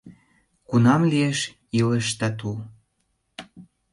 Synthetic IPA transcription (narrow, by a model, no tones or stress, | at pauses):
kunɑmlieʃ | iləʃt̪ɑt̪u